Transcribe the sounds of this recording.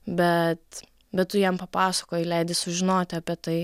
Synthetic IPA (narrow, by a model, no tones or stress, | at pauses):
bʲɛt̪ | bʲɛt̚t̪ʊjɛmpɐpɑːsɐ̥koːjɪlʲɛɪd̪ʲɪsʊʒʲɪnoːt̪ʲɐpʲiɛt̪ɐɪ